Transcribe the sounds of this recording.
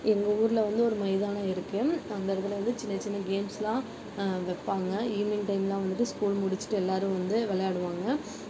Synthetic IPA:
ɛŋɡɐuːɾɪlɐʋɐnd̪ɯɔɾɯmɐɪðaːnɐɪɾɯkːɯɐnd̪ɐɐɽɯt̪ːɪlɐʋɐnd̪ɯt͡ʃɪnːɐt͡ʃːɪnːɐɡeːmslãː | ʋɛpːaːŋɡɐiːmɪŋʈɐɪmlãːʋɐnd̪ɯʈːɯskuːlmʊɽɪt͡ʃːɪ̥ʈːɯɛlːaːɾɯ̃ʋɐnd̪ɯʋɛlɐjaːɽɯʋaːŋɡɐ

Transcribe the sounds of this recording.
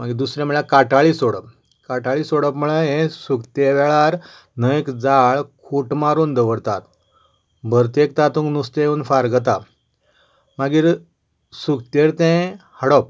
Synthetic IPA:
maɡiːd̪usɾãm̤əɭakaʈaɭiːsoɽəp̚ | kaʈaɭiːsoɽəpm̤əɭəɦẽsukt̪eʋɛɭaɾ | nəkd͡zaɭkʰuʈmaɾuːnd̪əʋəɾt̪at̪ | bʱəɾt̪ekt̪at̪ũŋknust̪euːnfaɾɡət̪a | maɡiːɾ | sukt̪eɾt̪ɛ̃həɽɔp̚

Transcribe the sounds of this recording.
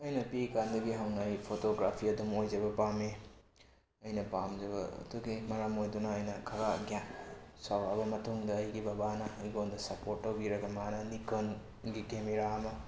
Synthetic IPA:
ɐjnɐpikandɐɡiɦɐwnajpʰotoɡɾapʰiɐdumojd͡ʒɐβɐpame | ɐjnɐpamd͡ʒɐbɐɐ̰duɡimɐɾɐmojdunɐːjnɐkʰɐɾaɡjamsawɾabɐmɐtuŋdɐːjɡibɐbanɐɐjɡondɐsɐpoɾtːɐwbiɾɐɡɐmanɐnikon | ɡikemeɾaɐmɐ

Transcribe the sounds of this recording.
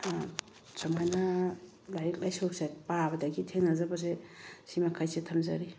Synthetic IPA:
sɔmajna | lajik̚lajsosajt̚pabɐdaɡitʰeŋnazabas̬esimakʰajsetʰamzaɾi

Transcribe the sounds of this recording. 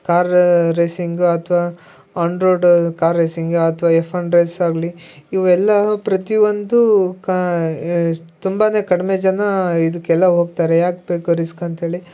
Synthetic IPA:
kaːɾɾejsiŋɡuɐt̪ʰɐʋaː | aːɳɾoːɖkaːɾːejsiŋɡuɐt̪ʰɐʋaːefʰɐɳɾejsaːɡliiʋɐɛlːɐpɾɐt̪iʋond̪uk | t̪umbaːne̞ːkɐɽime̞ːd͡ʒɐnɐid̪ukːɛlːɐɦoːɡ̚t̪aːɾejaːkbe̞ːkuɾiskɐnt̪ɦe̞ːɭi

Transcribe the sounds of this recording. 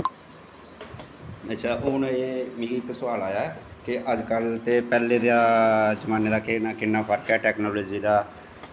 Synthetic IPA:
ət͡ʃʰaːʔʊːneːmĩːɡːksʊʋaːlaːjaːɛkɪʔəd͡ʒkəlt̪eːpɛːleːd̪aːd͡ʒəmaːneːd̪aːkɪakɪnːaːpʰəɾkɛːʈɛːknoːloːd͡ʒiːd̪aː

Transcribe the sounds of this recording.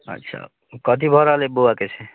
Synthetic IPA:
ʌ̰tːsʰa̰ | kʌt̪ibʱʌɾalebowaket͡sʰe

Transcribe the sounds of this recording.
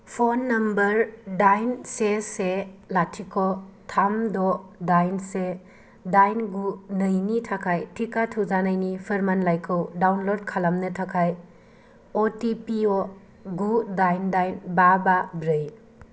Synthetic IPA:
pʰonːɐmbɐɾdajnseselatʰikʰotʰamdɔdajnse | dajnɡunəjnitʰakʰajtʰikatʰud͡ʒanajnipʰɯɾmanlajkʰɯwdawnlod̚kʰalamnɐtʰakʰaj | otipio | ɡudajndajnbababɾɯj

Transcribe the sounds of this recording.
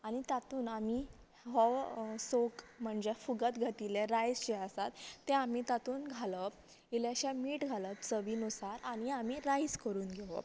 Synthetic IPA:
aɽ̃it̪at̪uːnami | ɦɔʋsokm̤əɳd͡ʑefuɡət̪ɡʱat̪ileɾajst͡ɕiəsat̪ːeamiːt̪at̪uːnɡʱaləp | ilaɕãmiːʈɡʱaləp̚t͡səʋiːnusaɾañiamiɾajskəɾuːnɡʱeʋə̰

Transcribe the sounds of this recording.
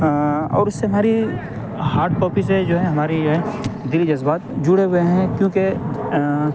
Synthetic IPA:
ɔ̰ːɾʊsːeɦɐmaːɾi | haːɾɖ̚pɔːpis̬ed͡ʒoːɦɛ̃ɦɐmaːɾiɦɛ̃d̪ɪlid͡ʒɐzbaːt̪d͡ʒʊɽeɦʊeɦɛ̃kjõːke

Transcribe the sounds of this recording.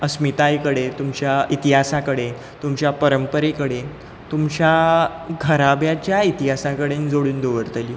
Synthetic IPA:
əsmit̪ajkəɽet̪umt͡ɕjait̪iɦasakəɽe | t̪umt͡ɕjapəɾəmpəɾekəɽe | t̪umt͡ɕjaɡʱəɾabjat͡ɕjait̪iɦasãkəɽend͡zoɽuːnd̪oʋəɾt̪əli

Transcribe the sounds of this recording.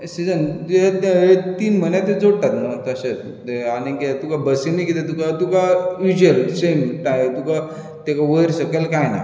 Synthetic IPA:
sid͡zənt̪at̪et̪iːnm̤ənjat̪ed͡zoɽʈ̪at̪mat̪əɕet̪ | t̪eañiket̪ukabəsenikit̪et̪ukat̪ukaʋid͡ʑelsemʈajt̪uka | t̪ekaʋəɾɕəkelkajna̰

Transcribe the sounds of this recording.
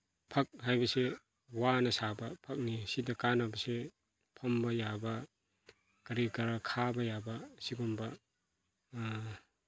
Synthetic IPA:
pʰɐk̚ɦajbɐse | wanɐsabɐpʰɐk̚nisidɐkanabɐse | pʰɐmbɐjabɐ | kɐɾikɐɾakʰabɐjabɐsiɡɔmbɐ

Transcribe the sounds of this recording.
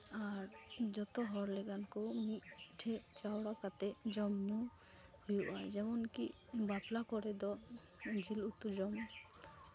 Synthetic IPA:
aɾd͡ʒɔt̪ɔɦɔɾlɛɡankɔmiʈʰɛt͡ʃawɽakat̪ɛd͡ʒɔmnu | hujuʔaɛd͡ʒɛmɔnki | baplakɔɾɛd̪ɔ | d͡ʒilut̪ud͡ʒɔm

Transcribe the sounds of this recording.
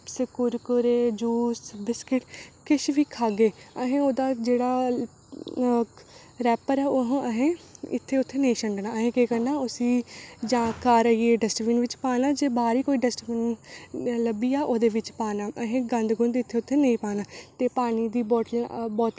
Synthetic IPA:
səkʊɾkəɾeːd͡ʒuːsbɪskɪʈkɪʃʋiːkʰaːɡeːəɦẽːoːd̪aːd͡ʒeːɽaː | ɾɛːpəɾɛːoɦəɦẽːɪ̰t̪ʰːeːʊt̪ʰːeːnəĩːʃəɳɖnaːəɦẽːkiːkəɾnaːʊsĩːd͡ʒãːkaːɾəieːɖɛsʈʋiːnʋɪt͡ʃpaːnaːd͡ʒeːbaːɾiːkoːiːɖəsʈʋiːn | ləbiːaːʔoːd̪eːʋɪt͡ʃpaːnaːʔəɦẽːɡə̃nd̪ɡʊnd̪ɪt̪ʰːeːʊt̪ʰːeːnəĩːpaːnaːt̪eːpaːñiːd̪iːbɔːʈbɔːt̪

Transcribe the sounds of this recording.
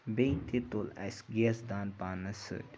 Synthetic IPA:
bejnt̪et̪olɐ̰sɡesd̪aːnpaːnɐsɨ̰dʲ

